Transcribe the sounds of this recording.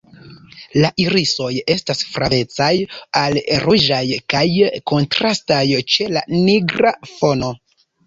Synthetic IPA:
laʔiɾiso̞je̞stasfɾave̞t͡sajalɾud͡ʒajkajko̞ntɾastajt͡ʃe̞la̰niɡɾafo̞no̞

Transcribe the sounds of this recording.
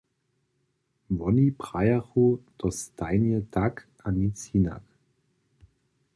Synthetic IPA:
vɔnipʁ̥ajaʁod̥ɔsd̥aɪnɛldakʔanit͡sina̰k

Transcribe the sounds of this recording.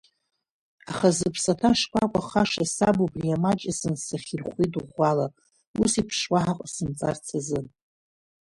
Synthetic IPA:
aχazɨpʰsatʰaʂkʷʰakʷʼaχaʂasabubriamat͡ʃʼasɨnsaχʲirχʷiduʁʷala | usipʰʂwaħaqʼsɨmt͡sʼart͡sʰazɨ

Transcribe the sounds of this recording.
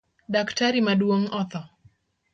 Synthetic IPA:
ɗaktaɾimaɗuɔŋɔθɔ

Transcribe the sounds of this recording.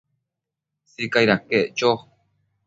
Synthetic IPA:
sikajɾakeʔt͡ʃo

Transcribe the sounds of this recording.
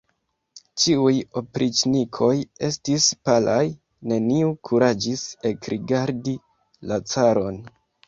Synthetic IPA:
t͡ʃiujo̞pɾʔit͡ʃnikʰo̞je̞stispalʔaj | ne̞niukʰuɾad͡ʒise̞kɾiɡaɾdi | lat͡saɾo̞n

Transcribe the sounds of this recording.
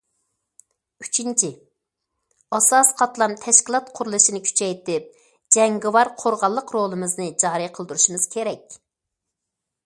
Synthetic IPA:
y̥t͡ʃʰint͡ʃʰɪ | ɑsɑsqʰɑt̪lˠɑmt̪ʰɛʃkʲilˠɑt̪̚qʰʊɾulˠɨʃinɪkʲʰy̥t͡ʃʰɛjt̪ɪp̚ | d͡ʒɛŋɡɪwɑɾqʰoɾʁɑlˠːəqɾolˠɨmɨznɨd͡ʒɑɾɨjqʰəlˠd̪ɾuʃumɨz̥kʲʰeɾɛkʲ

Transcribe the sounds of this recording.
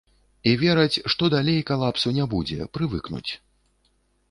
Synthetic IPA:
ivʲɛɾɐt͡sʲʂt̪ɔd̪alʲejkalˠapsunʲɛbud͡zʲɛ̰pɾɨvɨ̰knṵt͡sʲ

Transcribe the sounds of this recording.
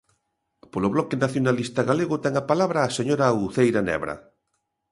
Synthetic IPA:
polʊβlɔkenaθjonalist̪aɣaleɣʊt̪ɛŋapalaβɾaːseɲoɾauθejɾanɛ̰βɾa̰

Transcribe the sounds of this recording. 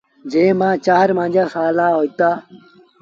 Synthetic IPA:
d͡ʑeːmãːt͡ɕaːɾmãnd͡ʑɐsaːlaːɦoːjt̪aː

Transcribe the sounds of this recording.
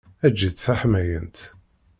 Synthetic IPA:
æd͡ʒːiθθæħmæjənt̪

